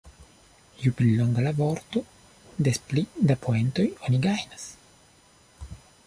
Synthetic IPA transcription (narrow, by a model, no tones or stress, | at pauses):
juplilo̞ŋɡalavo̞ɾt̪o̞ | d̪e̞splid̪apʰoe̞nt̪o̞joniɡajnas